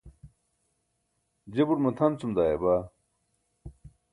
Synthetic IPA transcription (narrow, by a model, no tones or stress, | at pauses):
d͡ʑebuɾmɐt̪ʰɐnt͡sumd̪aːjeba